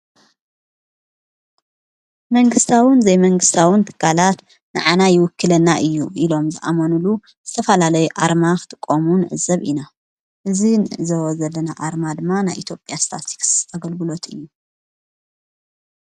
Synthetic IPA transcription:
mɐŋɡɨst̪ʰawɨnzɐjmɐŋɡɨst̪ʰawɨnt̪ʰɨ̥kʰːalat̪ | nɨ̰ʕanajɪwʊkːɨlɐnːaʔɨjːuʔilo̞mzɨʔa̰mɐnulu | z̥ɨt̪ʰɐfɐlalɐjuʔaɾmakʰɨ̥t̪ʰɨkʼːomunʕɨ̰zɐβʔina | ʔɨzinʔɨzɐβozɐlːɐnaʔaɾmad̪ɨmːanajʔit̪ʰjo̞pʼjast̪ʰat̪ʰi̥ksaɡɐlɡɨlo̞t̪ɨjːu

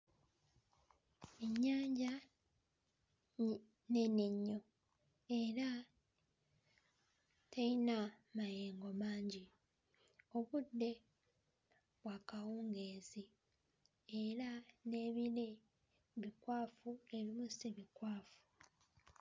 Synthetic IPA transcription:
eɲːaːɲɟa | neneɲːo̞ | e̞ɾa | tʰainamajeːŋɡo̞maːɲɟi | o̞βudːe̞ | βwakawuːŋɡe̞ːzi | e̞ɾane̞ːβile̞ | βikwaːfue̞limusiβikwaːfu̥

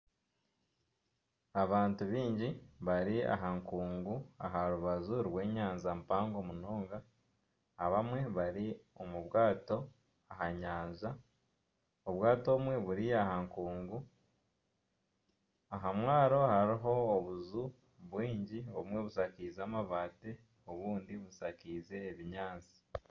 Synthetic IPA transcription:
aβaːntuβiːɲɟiβaɾia̰ɦaŋkuːŋɡua̰ɦaɾuβazuɾwe̞ːɲaːnzampaːŋɡo̞munoːŋɡaː | βamwe̞βaɾio̞muβwaːto̞ | ahaɲaːnza | oβwaːto̞mwe̞βuɾiahaŋkuːŋɡu | aɦamwaːɾo̞haɾiɦo̞ːβuzu | βwiːɲɟioβumwe̞βusakizaːmaβaːte | o̞βuːndiβusakize̞ːβiɲaːnzi̥

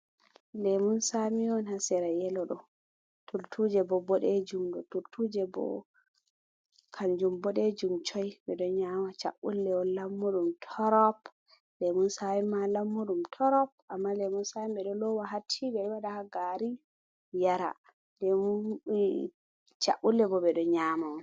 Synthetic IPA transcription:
lɛmunsamiɔnhasɛɾajɛlɔɗɔ | tʰultʰud͡ʒɛbɔbɔɗɛd͡ʒumɗɔtultʰud͡ʒɛbɔ̰ | kʰaɲd͡ʒumbɔɗɛd͡ʒumt͡ʃɔjbɛɗɔɲamat͡ʃa̰ʔṵlːɛɔnlamːuɗumtʰɔɾɔp̚ | lɛmunsajimːalamːuɗumtʰɔɾɔp̚amːalɛmunsajimbɛɗɔlɔwaɦatʰibɛwadahaɡaɾi | jaɾa̰ | dɛmu | t͡ʃa̰ɓulːɛbɔbɛɗɔɲaːmaɔn

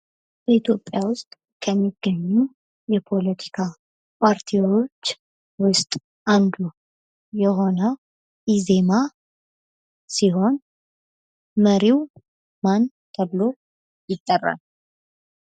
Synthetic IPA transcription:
b̥əit̪ʰjo̞pʼːjawʊst̪ʼ | kʰəmːiɡ̥ːəɲːu | jɛpʰo̞lət̪ʰi̥kʰa | pʰaɾt̪ʰiwwo̞t͡ʃː | wʊst̪ʼ | ʔand̪u | jɛɦo̞nə | ʔizema | siɦo̞n | məɾiw | man | t̪ʰəβɨlo̞ | jɪt̪ʼːərːa̰l

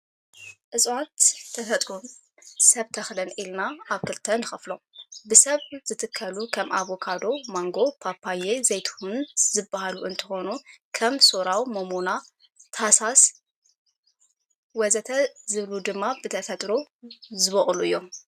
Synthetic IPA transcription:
ʔɨsʼwat̪ʰːɐfɐt̪ʼɾum | sɐβt̪ʰɐxlɐnʔilnaʔaβkɨlt̪ʰːɐnɨxɐflo̞ | bɨsɐβz̥ɨt̪ʰɨkʰːɐlukʰɐmʔaβokʰad̪o̞maŋɡo̞pʰapʰaje̞zɐjt̪ʰhunzɨbːahaluʔɨnt̪ʰɨxo̞nukʰɐmsoɾawmomona | t̪ʰasas | wɐzɐt̪ʰɐzɨβlud̪ɨmːabɨt̪ʰɐfɐt̪ʼɾozɨβɐχʼluɨjːo̞

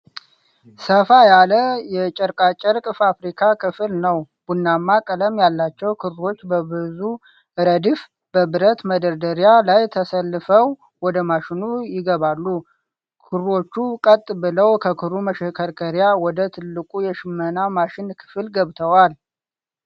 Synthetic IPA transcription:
səfajaləjɛt͡ʃʼəɾkʼat͡ʃʼɛɾkʼɨfafɾikʰakʰɨfɨlnəwb̥unːamːakʼələmjalːat͡ʃːɛwkʰɨɾo̞t͡ʃːbəbɨzu | ɨɾəd̪if | b̥əbɨɾət̪məd̪əɾd̪əɾjalajt̪ʰəsəlːɨfəw | wɔd̪əmaʃɪnujɪɡəβalːu | kʰɨɾo̞t͡ʃːukʼət̪ʼːbɨləwkʰəkʰɨɾuməʃɛkʰəɾkʰəɾjawɔd̪ət̪ʰɨlːɨkʼujɛʃɪmːənamaʃɪnkʰɨ̥fɨlɡəβt̪ʰəwal

